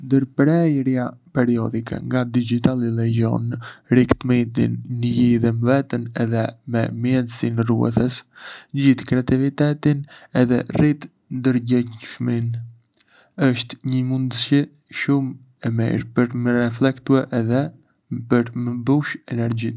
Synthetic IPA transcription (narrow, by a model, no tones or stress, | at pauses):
nd̪əɾpɾɛjɾjapɛɾiɔd̪ikɛ̰ŋɡad̪id͡ʒit̪alilɛd͡ʒɔ̰nɾikt̪mit̪ḭnːəjiðɛməvɛt̪ənɛðɛmɛmjɛnsinrṵɛ̰θəsd͡ʑiθkɾɛat̪ivit̪ɛt̪inɛðɛrit̪ | nd̪əɾɟɛɲʃmin | əʃt̪ɲəmund̪ʃɛ | ʃum | ɛmḭɾpəɾməɾɛflɛkt̪uɛʔɛðɛ | pəɾməbuʃɛnɛɾd͡ʑi